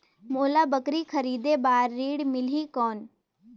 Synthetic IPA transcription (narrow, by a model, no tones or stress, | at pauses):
moːlaːbəkɾikʰəɾiːd̪ebaːɾːiːɽmɪliːkɔːn